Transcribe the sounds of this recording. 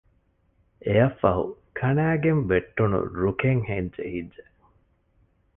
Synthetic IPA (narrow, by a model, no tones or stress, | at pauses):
ejɐfːɐɦṵkʰɐnæːɡembeʈːunṵɾukeŋheɲd͡ʒḛhidd͡ʒe